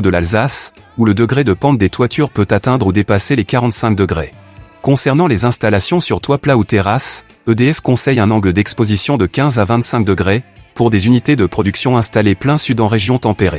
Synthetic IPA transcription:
d̪əlalzas | uləd̪əɡʁed̪əpɑ̃t̪̚d̪et̪wat̪ʰyʁpøt̪at̪ɛ̃d̪ʁud̪epaselekaʁɑ̃t̪sɛ̃k̚d̪əɡʁekɔ̃sɛʁnɑ̃lezɛ̃st̪alasjɔ̃syʁt̪waplaut̪eʁas | ød̪eɛfkɔ̃sɛjɛ̃nɑ̃ɡləd̪ɛkspozisjɔ̃d̪əkʲɛ̃zavɛ̃t̪sɛ̃k̚d̪əɡʁepuʁd̪ezynit̪ed̪əpχɔd̪yksjɔ̃ɛ̃st̪aleplɛ̃syd̪ɑ̃ʁeʒjɔ̃t̪ɑ̃peʁe

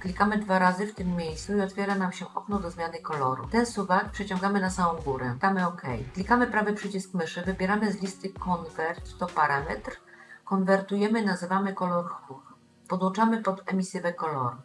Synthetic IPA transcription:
klʲikamɘd̪vaɾazɘft̪ɘmːʲjejssuiɔt̪fʲjɛɾanamɕɛʔɔknɔd̪ɔzmʲjanɘkɔlɔɾṵt̪ɛnsuvak̚pʂɛt͡ɕɔ̃ŋɡamɘnasawɔ̃w̃ɡuɾɛd̪amɘɔkʰɛ̰jklʲikamɘpɾavɘpʂɘt͡ɕiskmɘʂɘvɘbʲjɛɾamɘzlʲist̪ɘkɔnvɛɾt̪ːɔpaɾamɛ̰t̪ɾkɔnvɛɾt̪ujɛmɘnazɘvamɘkɔlɔɾxɾux | pɔd̪wɔ̃nt͡ʂamɘpɔd̪ɛmʲisɘvɛkɔlɔ̰ɾ

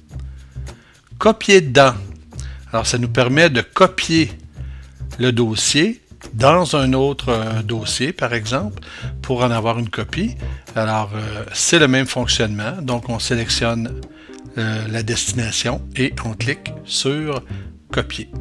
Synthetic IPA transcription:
kʰɔpjed̪ã | alɔːʁsanupɛʁmɛd̪əkɔpje | ləd̪oːsjed̪ɑ̃zœ̃noːt̪ʁəd̪oːsjepaʁɛɡzɑ̃plpʰuʁɑ̃navwaːʁynkʰɔpialɔːʁøsɛləmɛ̃mfɔ̃ksjɔnmɑ̃d̪ɔ̃kɔ̃selɛksjɔn | lad̪ɛst̪inasjɔ̃eʔɔ̃klɪksyːʁ | kɔpʰje

